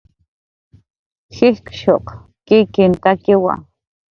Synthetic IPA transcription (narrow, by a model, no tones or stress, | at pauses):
xihkʃoq | kikint̪akɪwa̰